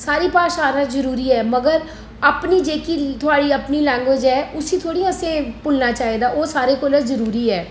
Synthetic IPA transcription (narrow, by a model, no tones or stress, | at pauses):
saːɾiːpaːʃaːɾãzəɾuːɾiɦɛːməɡəɾ | əpnid͡ʒeːkit̪ʰʊaːɽiːəpnilɛ̃ːŋɡəd͡ʒɛːʔʊsiːt̪ʰoːɽiãːsẽpʊlnaːt͡ʃaːɦeːd̪aːoːsaːɾekʊləɾzəɾuːɾiɦɛː